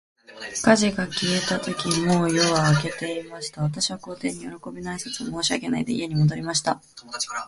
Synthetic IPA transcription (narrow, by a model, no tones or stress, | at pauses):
kaʑiɡakʲie̞t̪at̪o̞kʲimo̞ːjo̞βaːke̞t̪e̞imaɕi̥t̪aβ̞at̪̬aɕiβako̞ːt̪e̞ːɲ̟ijo̞ɾo̞ko̞bʲinaisḁt͡sɨomo̞ːɕiaɡe̞na̰id̪e̞ḭe̞ɲ̟imo̞d̪o̞ɾʲimaɕi̥t̪a